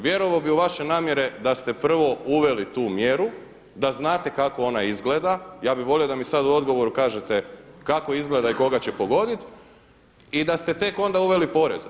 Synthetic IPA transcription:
ʋje̞ɾo̞ʋaobiuʋaʃe̞naːmje̞ɾe̞d̪ast̪e̞pr̩ʋo̞uʋe̞lit̪uːmjeɾu | d̪aznaːt̪e̞kako̞o̞naizɡled̪ajaːbiʋo̞liod̪amisad̪uo̞d̪ɡo̞ʋo̞ɾukaːʒe̞t̪e̞kako̞izɡle̞d̪aiko̞ɡat͡ɕe̞po̞ɡo̞d̪it̪ | id̪ast̪e̞t̪e̞ko̞nd̪auʋe̞lipo̞ɾe̞̰z

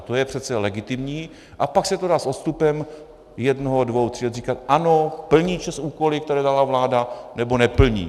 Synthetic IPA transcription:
t̪ojɛpr̝̥ɛt̪t͡sɛlɛɡɪt̪ɪmɲiː | ʔapaksɛt̪odaːsʔot̪st̪upɛm | jɛdnoɦodvowt̪r̥iɛriːkat̪ʔano̞pl̩ɲiːt͡ʃɛsuːko̞lɪk̚t̪ɛɾɛːdalavlaːdanɛbo̞nɛpl̩ɲḭː

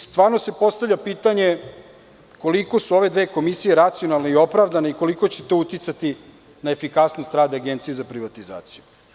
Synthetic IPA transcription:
st̪ʋaːɾnose̞po̞st̪avʎʲapiːt̪aɲe | ko̞liko̞suo̞ʋe̞d̪ʋe̞ːko̞misije̞ɾat̪sijo̞nalˠno̞io̞pɾaʋd̪aneiko̞liko̞t͡ɕet̪oːut̪jit̪sat̪i | naefikasnost̪ɾaːd̪aaɡent̪sijezapɾiʋat̪iza̰ːt̪siju

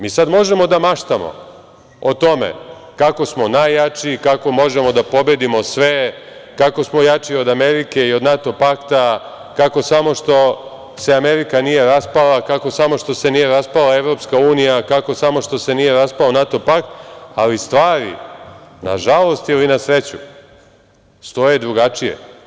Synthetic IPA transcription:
miːsad̪mo̞ʒe̞mo̞d̪amaʃt̪amo̰ | ot̪o̞me̞̰kako̞smo̞najat͡ʃikako̞mo̞ʒe̞mo̞d̪apo̞bed̪imo̞sʋe̞ | kako̞smo̞jat͡ʃio̞d̪ame̞ɾike̞io̞d̪nat̪o̞pakt̪a | kako̞samo̞ʃt̪o̞ | se̞ameɾikanije̞ɾaspalakako̞samo̞ʃt̪o̞se̞nije̞ɾaspalaeʋɾo̞pskauːnijakako̞samo̞ʃt̪o̞se̞nije̞ɾaspalonat̪o̞pakt̪alist̪ʋaːɾḭna̰ʒalˠo̞st̪ilinasɾet͡ɕu | st̪o̞je̞d̪ɾuɡat͡ʃije̞̰

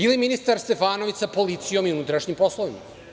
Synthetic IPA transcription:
iliminist̪aɾst̪e̞faːno̞ʋisapo̞lit̪sijo̞miunut̪ɾaʃɲimpo̞slˠo̞ʋima

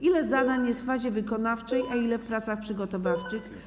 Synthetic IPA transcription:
ilɛzad̪aɲjɛst̪faʑɛvɘkɔnaft͡ʂɛjʔailɛfpɾat̪saxpʂɘɡɔt̪ɔvaft͡ʂɘx

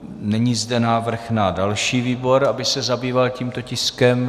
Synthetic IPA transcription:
nɛɲiːzdɛnaːvr̩xnadalʃiːviːbo̞ɾabɪsɛzabiːvalciːmt̪o̞cɪskɛm

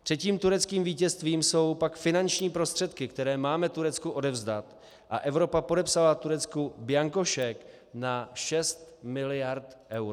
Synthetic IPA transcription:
t̪r̥ɛciːmt̪uɾɛt͡skiːmviːcɛst̪viːmso̞wpakfɪnant͡ʃɲiːpɾo̞st̪r̝̥ɛt̪kɪkt̪ɛɾɛːmaːmɛt̪uɾɛt͡skuʔo̞dɛvzdat̪ | ʔa̰ʔɛvɾo̞papodɛpsalat̪uɾɛt͡skubɪjaŋkoʃɛk | naʃɛst̪mɪlɪjaɾt̪ʔɛwɾ

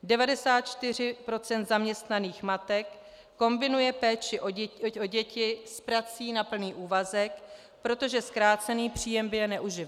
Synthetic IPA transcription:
dɛvadɛsaːt̪̚t͡ʃt̪ɪr̝ɪpɾo̞t͡sɛnt̪zamɲɛst̪naniːxmat̪ɛkː | o̞mbɪnujɛpɛːt͡ʃɪʔoo̞ɟɛcɪspɾat͡siːnapl̩niːʔuːvazɛk | pɾo̞t̪o̞ʒɛskɾaːt͡sɛniːpr̝̥iːjɛmbɪjɛnɛʔuʒɪv

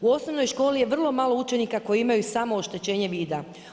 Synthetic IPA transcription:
uo̞sno̞ʋno̞jʃko̞ːlije̞ʋr̩lˠo̞maːlˠo̞ut͡ʃe̞nikako̞jiimajusaːmo̞oʃt̪e̞t͡ɕe̞ːɲe̞ʋiːd̪a

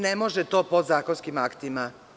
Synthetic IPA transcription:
nemo̞ʒet̪o̞ːpod̪zaːko̞nskimakt̪ima

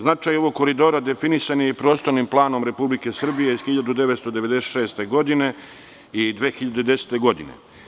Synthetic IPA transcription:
znat͡ʃajo̞ʋoɡ̚ko̞ɾid̪o̞ːɾad̪e̞finisanijepɾo̞ːst̪o̞ɾnimplˠaːno̞mɾe̞publike̞sr̩bije̞iz̥xiʎad̪ud̪e̞ʋet̪st̪od̪e̞ʋe̞d̪eseʃeːst̪e̞ɡo̞d̪ine̞ | id̪ʋeːxiʎad̪ed̪e̞se̥t̪e̞ɡo̞d̪ḭnḛ

